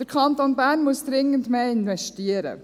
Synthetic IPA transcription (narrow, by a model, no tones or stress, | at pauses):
d̥əɾkʰɑnt̪onbæːɾnmuəsd̥ɾɪŋəntmeːɪnʋɛʃtiəɾə̰